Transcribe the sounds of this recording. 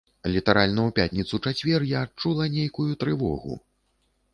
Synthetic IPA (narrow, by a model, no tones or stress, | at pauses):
lʲit̪aɾalʲnɐwpʲat̪ʲnʲit̪sut͡ʂat͡sʲvʲɛrjaːt͡ʂulˠɐnʲejkujut̪ɾɨvɔ̰ɣṵ